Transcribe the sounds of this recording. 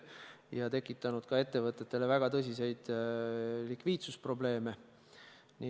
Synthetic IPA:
jɑt̪e̞kːˑit̪ːˑɑnud̪̥kɑe̞t̪ːe̞vɤt̪ːˑe̞t̪ːe̞le̞væɡ̥ɑt̪ɤs̬ʲise̞jd̪̥ | likviːd̪suspro̞ble̞ːme̞ | ni

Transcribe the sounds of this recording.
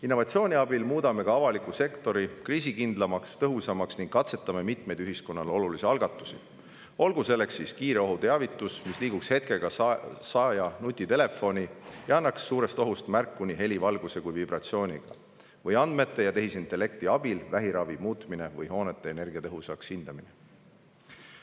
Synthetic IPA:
inːo̞vɑt̪sioːnʲiɑbilmuːd̪ɑme̞kɑɑvɑlikːuse̞kt̪o̞ɾikriːs̬ikind̪̥lɑmɑkst̪ɤɦusɑmɑksniŋɡ̥̚kːɑt̪se̞t̪ːˑɑme̞mit̪me̞jd̪yɦisko̞nːɑlo̞lulisiɑlɡ̥ɑt̪ːˑu̥si | o̞lɡ̥use̞lːe̞ksːiskiːɾe̞o̞ɦut̪e̞ɑvit̪ːˑusmisliːɡ̥ukshe̞t̪̚ke̞ɡ̥ɑsɑːjɑnut̪ʲːˑit̪e̞le̞fo̞nʲijɑɑnːɑksːuːɾe̞st̪o̞ɦust̪mærkːuniɦe̞livɑlɡ̥use̞kujvibrɑt̪sio̞ːnʲiɡ̥ɑ | vɤjɑnd̪̥me̞t̪ːˑe̞jɑt̪e̞ɦisint̪ˑele̞k̚t̪iɑb̥ilvæɦiɾɑvimuːt̪mine̞vɤjho̞ːne̞t̪ːˑe̞ene̞rɡ̥iɑt̪ɤɦusɑkshind̪̥ɑmine̞

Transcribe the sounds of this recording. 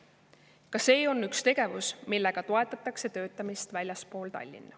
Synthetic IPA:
kɑse̞ːo̞nːykst̪e̞ɡ̥e̞vusmilːe̞ɡ̥ɑt̪o̞e̞t̪ːˑɑt̪ːˑɑkse̞t̪ø̞ːt̪ːˑɑmist̪vælʲjɑspo̞ːlt̪ɑ̰lʲːḭnːɑ

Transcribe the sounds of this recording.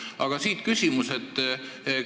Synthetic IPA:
ɑɡ̥ɑsiːt̪kysʲimuset̪ːˑ

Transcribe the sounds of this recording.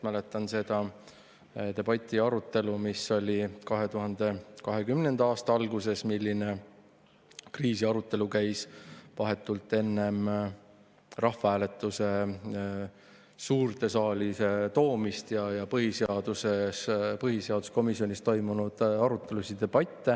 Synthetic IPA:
mælet̪ːˑɑnse̞d̪̥ɑ | t̪e̞b̥ɑt̪ʲːˑiɑɾut̪ːˑe̞lumisːo̞lʲikɑɦe̞t̪uɦɑnd̪̥e̞kɑɦe̞kymne̞nd̪ɑɑːst̪ɑɑlɡuse̞smilːine̞ | kriːsiɑɾut̪ːˑe̞lukæjsvɑɦe̞t̪ːˑult̪ːˑe̞nːe̞m | rɑhfɑæːle̞t̪ːˑuse̞ | suːrt̪e̞sɑːliset̪o̞ːmist̪jɑjɑpɤɦiseɑd̪̥usespɤɦise̞ɑd̪̥usko̞misːionʲist̪o̞jmunud̪̥ɑɾut̪ːˑe̞lusid̪̥e̞b̥ɑt̪ːe

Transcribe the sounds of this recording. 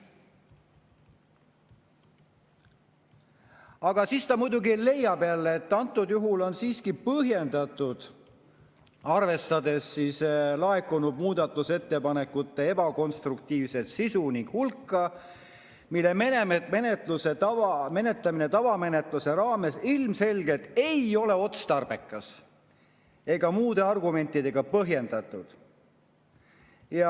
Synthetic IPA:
ɑɡ̥ɑsiːst̪ɑmujd̪uɡile̞jːɑbeɑlːeːt̪ːɑnt̪ˑːud̪juɦulo̞nsiːskipɤɦje̞nd̪ɑt̪ːˑud̪̥ | ɑrve̞st̪ɑd̪e̞sːislɑe̞kːunub̚muːd̪̥ɑt̪ˑːuse̞t̪ːe̞pɑne̞kːut̪ˑːe̞e̞bɑko̞nst̪rukt̪iːvse̞t̪sisuniŋɡ̥hulkːɑ | milːe̞menemenet̪ˑluse̞t̪ɑvɑme̞ne̞t̪lɑmine̞t̪ɑvɑme̞ne̞t̪ˑluse̞ɾɑːme̞silmse̞lɡ̥e̞t̪ːˑe̞jo̞le̞o̞t̪st̪ɑrb̥e̞kːˑɑs | e̞ɡ̥ɑmuːd̪̥e̞ɑrɡume̞nʲt̪ːˑid̪e̞ɡ̥ɑpɤɦje̞nd̪̥ɑt̪ːˑud̪̥ | jɑ

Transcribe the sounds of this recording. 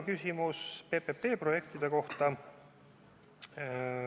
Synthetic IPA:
kysʲimuspe̞pepːe̞ːpro̞je̞k̚t̪id̪̥e̞ko̞ht̪ɑ

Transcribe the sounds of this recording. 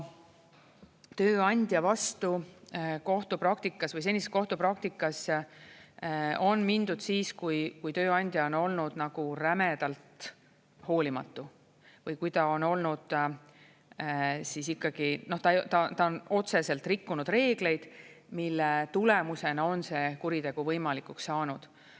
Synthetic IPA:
t̪ø̞ːɑnʲd̪̥ʲjɑvɑst̪uko̞ht̪upɾɑk̚t̪ikːˑɑsvɤjs̬e̞nʲiseko̞ht̪upɾɑk̚t̪ikːˑɑs | o̞nmind̪̥ud̪̥siːskujkujt̪ø̞ːɑnʲd̪̥jɑono̞lnud̪̥nɑɡ̥uɾæmed̪̥ɑlt̪ | ho̞ːlʲimɑ̰t̪ˑːu | vɤjkujt̪ɑo̞no̞lnud̪̥ | sisikːˑɑɡ̥ino̞ht̪ɑjt̪ɑt̪ɑono̞t̪se̞se̞lt̪rikːunud̪̥re̞ːɡ̥le̞jd̪̥ | milːet̪ule̞muse̞nɑo̞nse̞kuɾit̪e̞ɡ̥uvɤjmɑlikuksːɑːnud̪̥

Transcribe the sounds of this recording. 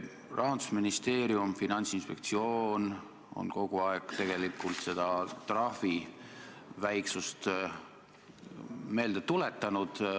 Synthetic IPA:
rʔɑɦɑnd̪usminist̪e̞ːɾiumfinɑnʲt̪sinspe̞k̚t̪sio̞ːn | o̞̰nko̞ɡuɑekt̪e̞ɡ̥e̞likːˑult̪se̞d̪̥ɑt̪rɑfi | væjksust̪ | me̞ːld̪et̪ːule̞t̪ːˑɑnud̪̥

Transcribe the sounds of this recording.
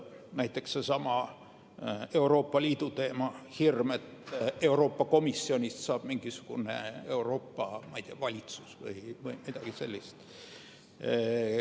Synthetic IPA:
næjt̪ːˑekssesɑmɑ | e̞uɾo̞ːpːɑlʲiːd̪ut̪eːmɑhirmet̪e̞uɾo̞ːpːɑko̞misːionʲist̪sɑːb̥miŋɡ̥isu̥ɡ̥unḛḛuro̞ːpːɑmɑjt̪iɑvɑlʲit̪susvɯ̰ivɨimit̪ɑɡ̥isḛlʲːist̪

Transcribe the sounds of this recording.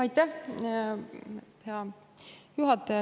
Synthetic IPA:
ɑjt̪ːæh | heɑ | juɦɑt̪ːˑe

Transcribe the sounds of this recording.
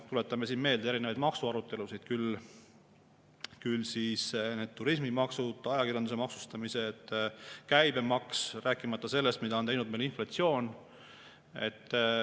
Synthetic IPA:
t̪ule̞t̪ːˑɑmesiːnme̞ːld̪eeɾinevɑjd̪̥mɑksuɑɾut̪ːˑe̞lusid̪̥̚kyl | kylsiːsne̞ːd̪̚t̪ːuɾis̬mimɑksud̪̥ˑɑjɑkiɾjɑnd̪use̞mɑksu̥st̪ɑmise̞t̪ːkæjbe̞mɑksræːkːˑimɑt̪ːˑɑse̞lːe̞st̪̚mid̪ɑont̪ejnud̪̚melinflɑt̪sio̞ːn | e̞̰t̪ːˑ

